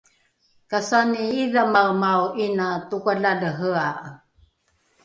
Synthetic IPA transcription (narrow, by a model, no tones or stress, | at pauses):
kasaniiðamaɣmawʔinatukaɮaləɦəa